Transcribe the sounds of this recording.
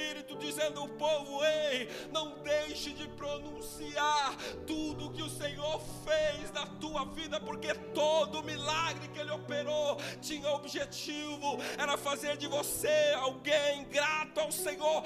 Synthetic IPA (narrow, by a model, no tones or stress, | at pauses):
iɾit̪ʊd͡ʒizẽnd̪ʊʊpovʊej | nɐ̃w̃d̪ejʃɪd͡ʒɪpɾonũsiaɾt̪ud̪ʊkɪʊsẽɲoɾfejznɐt̪uɐvid̪ɐpoɾket̪od̪ʊmilaɡɾɪkɪelɪopeɾot͡ʃĩɲɐobiʒet͡ʃivʊɛɾɐfazeɾd͡ʒɪvoseawɡẽj̃ɡɾat̪ʊawsẽɲoɾ